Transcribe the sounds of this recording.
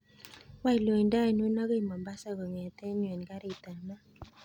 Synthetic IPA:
wa˦jlo˨nda˦˨jnu˦na˦ɡə˦i˨ma˨mba˦sa˦˨ɡɔ˨ŋɛ˨t̪ɛ˦ɲwɛ˨nɡa˦ɾi˨t̪a˨na˦

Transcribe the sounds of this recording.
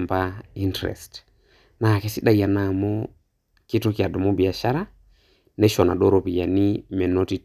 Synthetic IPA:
mpa˦i˦ntɾɛ̰˨st | na˨kɛ˦si˦ɗa˦ja˨na˨mɔ˦ | ki˦to˦ki˨a˨dɔ˨mɔ˦bi˨a˨ʃa˦ɾa˦ | nɛ˦ʃɔ˨na̰˨ɗɔ˦ɾo˨pi˨ja˨ni˦mɛ˨nɔ˦ti˦t

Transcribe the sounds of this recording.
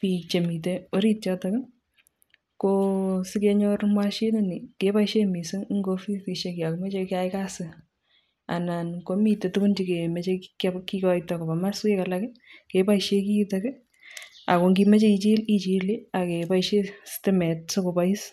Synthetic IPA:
pi˨t͡ʃe˨mi˨teo˦ɾi˦t̚t͡ʃɔtakɪ˦ | kosi˦keɲormwaʃi˦nɔ˦ni˨kepa˦iʃe˦mi˨sɪ˦ŋŋɡofi˦fiʃe˦ki˨a˨ko˨me˦t͡ʃekiaɪkasɨ | a̰nanko˦mi˨te˨tʊku˦nd͡ʒi˦kemet͡ʃekkikɔitɔkɔ˨pa˨maswe˦ka˨lakɪ˦kepa˦iʃe˦ki˦takɛ˦ | a̰˨ko˨ŋɡi˧me˦t͡ʃe˦i˨t͡ʃi˦li˦t͡ʃi˦li˦a˨ke˨paiʃe˦stɪ˦mɛ˨t̚so˦kopa˦i˦s

